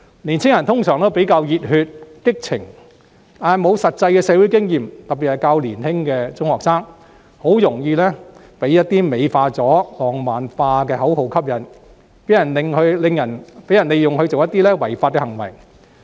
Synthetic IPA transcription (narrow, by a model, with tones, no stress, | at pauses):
liː˨˩nt͡sʰɪ˥ŋjɐ˨˩nt̪ʰʊ˥ŋsœː˨˩ŋt̪o˥wpe˨˥jkaː˧wjiː˨t̚hyː˧t̚kɪ˥k̚t͡sʰɪ˨˩ŋ | t̪aː˨˩nɐ˨˩jmo˨˧wsɐ˨t̚t͡sɐ˧jkɛː˧sɛː˨˧wu˨˥jkɪ˥ŋjiː˨mt̪ɐ˨p̚pi˨˩hɐ˨˩jkaː˧wliː˨˩nhɪ˥ŋkɛː˧t͡sʊ˥ŋhɔː˨˩k̚saː˥ŋ | ho˨˥wjʊ˨˩ŋjiː˧lɛ˥ | pe˨˥jɐ˥t̚t̪iː˥me˨˧jfaː˧t͡sɔː˨˥lɔː˨˩ŋmaː˨nfaː˧kɛː˧hɐ˨˥wɦo˨˥wkʰɐ˥p̚jɐ˨˩n | pe˨˥jɐ˨˩nlɪ˨ŋhɵ˧lɪ˨˧ŋjɐ˨˩npe˨˥jɐ˨˩nle˨jʊ˨ŋhɵ˧ɥt͡so˨wjɐ˥t̪ːiː˥lɛː˥wɐ˨˩jfaː˧t̚kɛ˧ɦɐ˨˩ŋwɐ̰˨˩j